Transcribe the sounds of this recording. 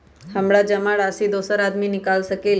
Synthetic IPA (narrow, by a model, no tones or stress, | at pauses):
ɦəmɽad͡ʒəmaɭasid̪osəɾad̪minɪkalʃəkel